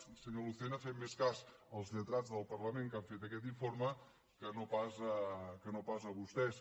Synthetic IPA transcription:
səɲoluθenəfemmeskaz | əlˠzʎət̪ɾad͡zðəlˠpərləmeŋkaɱfet̪əkɛt̪̬iɱformə | kənopazəkənopazəβust̪ɛs

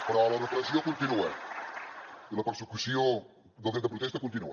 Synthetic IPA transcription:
pɾɔlɐrəflɐziõkõnt̪inuɐ̰ | ilɐpəɾsəkusjõ | d̪lˠẽnəpɾut̪ɛst̪ɐkõnt̪inuɐ

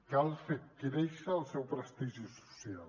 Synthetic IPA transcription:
kalˠfekiɾeʃaːlˠsɛwpɾəst̪iʒisu̥sjal

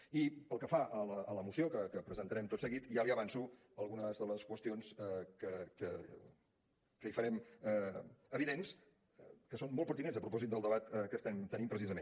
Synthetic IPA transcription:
ipəlˠkəfaʔələːləmusiokəkəpɾəzənt̪əɾɛmt̪otsəɣit̪ʒaliəβ̞ansu | əlˠɣunəzðələskwəst̪ionskəkə̰ | kəifəɾɛmɛəβiðens | kəsonmolˠpəɾt̪inɛnzəpɾup̬ɔzit̪d̪əlˠd̪əβat̪kəst̪ɛmt̪ənimpɾəsizəmen

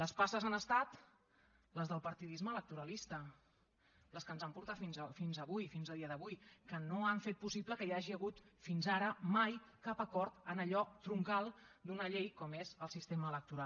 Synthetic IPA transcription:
ləspasəzanəst̪at̪ | ləzðəlˠpəɾt̪iðizməːlək̚t̪uɾəlist̪ə | ləskənzampuɾt̪at̪finzfinzəβujfinzəlˠðiəðəβujkənoaɱfet̪̚pusibləkəiaʒiəɣut̪finzaɾəmajkapəkɔɾt̪ənəʎɔt̪ɾuŋkalˠd̪unəʎejkɔmezəlˠsist̪eməːlək̚t̪uɾalˠ

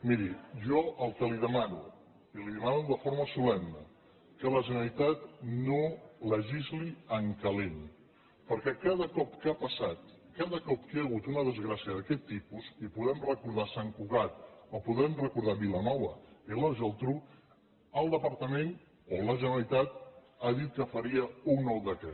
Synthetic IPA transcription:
miɾiʒɔəlˠkəliðəmanṵ | iliðəmanuðəfoɾməsulɛmnə | kələʒənəəlit̪at̪̚noləʒizliəŋkəlen | pəɾkɛkað̞əkɔpkapəsat̪ | kaðəkɔp̚keəɣut̪unəðəzɣɾasiəð̞əkɛt̪ːipuzipuðɛmrəkuɾð̞asaŋkuɣat̪̚ɔpuðɛmrəkuɾð̞aβilənɔβəeləʒəlˠt̪ɾu | əlˠd̪əpəɾt̪əmen | oləʒənəlit̪at̪ | aðit̪̚kəfəɾiəuŋnɔlˠd̪əkɛ

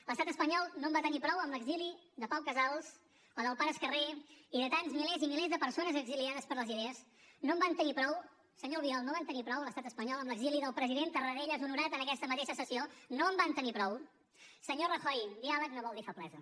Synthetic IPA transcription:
ləst̪at̪əspəɲɔlˠnombat̪ənipɾɔwəmləɡziliðəpawkəzalˠz̥ | əðəlˠpaɾəskəreiðət̪anzmilezimilezðəpəɾsonəzəɡziliaðəspəɾləziðeəz | nombant̪ənipɾɔw | səɲolˠβiɔlˠnoβant̪ənipɾɔwləst̪at̪əspəɲɔlˠəmləɡziliðəlˠpɾəziðent̪ərəɾeʎəzunuɾat̪ənəkɛst̪əmət̪eʃəsəsionoəmbant̪ənipɾɔw | səɲorəxɔjðialəknoβɔlˠd̪ifəplɛzu

